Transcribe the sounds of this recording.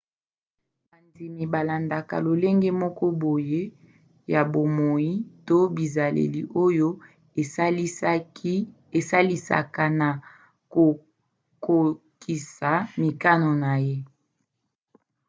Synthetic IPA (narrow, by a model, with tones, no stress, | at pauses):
ba˨ndi˨mi˨ba˨la˨nda˨ka̰˨lo˨le˦ŋɡe˦mɔ˦kɔ˦bo˨je˦ | ja˨bo˨mo˨ji˦to˦bi˨za˨lḛ˨li˨ʔo˦jo˦˨˦ | e˨sa˦li˦sa̰˨ka˨na˨ | o˨ | ko˨ | ki˨sa˨mi˨ka˦no˨na˨je˦